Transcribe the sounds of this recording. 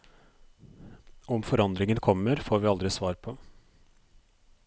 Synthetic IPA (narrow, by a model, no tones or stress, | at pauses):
ɔmfɔɾɑnd̪ɾɪŋənkʰɔmːəɾfoːɾʋɪːɑld̪ɾɪsʋɑːɾpʰɔ